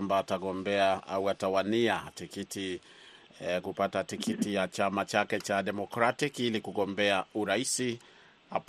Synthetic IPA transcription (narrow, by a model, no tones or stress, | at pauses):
mbaːtaɠɔmbɛaauatawaniatikitʰi | kupatatikʰitijat͡ʃamat͡ʃakɛt͡ʃaɗɛmɔkɾatikilikuɠɔmbɛauɾaisi | ha̰p